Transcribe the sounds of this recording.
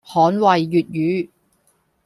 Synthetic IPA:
hɔː˨˥nwɐ˨jːyː˨t̚jyː˨˥

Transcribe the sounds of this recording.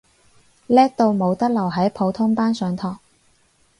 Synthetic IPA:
lɛː˥k̚t̪o˧wmo˨˧wt̪ɐ˥k̚lɐ˨˩wɦɐ˨˥jpʰo˨˧wt̪ʰʊ˥ŋpaː˥nsœː˨˧ŋt̪ʰɔː˨˩ŋ̚

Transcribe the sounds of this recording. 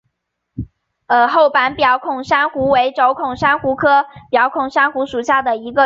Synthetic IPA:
ə˧˩xo˥˩ʊpa˧˥npjɑ˧˩˥ʊkʰʊ˨˩ŋʂa˥nxu˧˥we˧˥ɪʈ͡ʂo˧˥ʊkʰʊ˨˩ŋʂa˥nxu˧˥kʰɤ˥pjɑ˧˩ʊkʰʊ˨˩ŋʂa˥nxu˧˥ʂu˨˩ɕja˥˩d̪ə˩i˧˥ɡə˧

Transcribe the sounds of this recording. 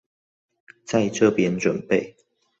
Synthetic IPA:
t͡sa˥˧ɪʈ͡ʂʰɤ˥˧pjɛ˧˦nʈ͡ʂwə˨˩npe˥˨ɪ

